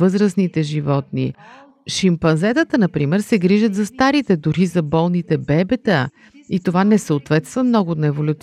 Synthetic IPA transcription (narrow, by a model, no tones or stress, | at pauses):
ɤzɾəsnit̪ɛʒivɔt̪nḭ | ʃimpɐnzɛt̪ət̪ənɐpɾimɛɾsɛɡɾiʒət̪zɐst̪aɾit̪ɛd̪uɾizɐbɔlˠnit̪ɛbɛbɛt̪ə | it̪ovanɛsəot̪vɛt̪st̪vɐmnɔɡʊt̪nɐɛvolʲʊt̪s